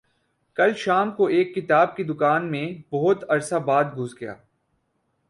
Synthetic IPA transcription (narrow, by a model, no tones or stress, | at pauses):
kɐlʃaːmkoeːkːɪt̪aːb̚kid̪ʊkaːnmẽbɔɦʊt̪ɐɾsabaːd̪̚ɡʱʊzɡɐja̰ː